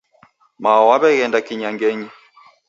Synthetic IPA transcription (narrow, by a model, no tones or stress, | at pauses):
maɔwaβɛɣɛndakiɲaŋɡɛɲɛ